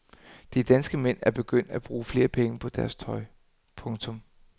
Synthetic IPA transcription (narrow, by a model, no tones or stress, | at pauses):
d̥id̥ænsɡ̥əmen̰æɐb̥e̝ɡ̥øn̰d̥æb̥ʁuːfle̝ːɐpʰeŋəpʰɒ̽d̥æɐst͡sʰɒ̽ɪ | pʰɔ̽ŋt͡sʰɔ̽m